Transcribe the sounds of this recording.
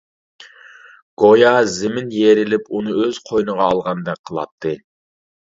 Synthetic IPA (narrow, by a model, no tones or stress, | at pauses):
ɡ̥ojɑzɪmɪnjeɾɪlɪpunɨøz̥qʰojnɨʁɑːlˠʁɑnd̪ɛk̚qʰəlˠɑ̰t̪ʰːɨ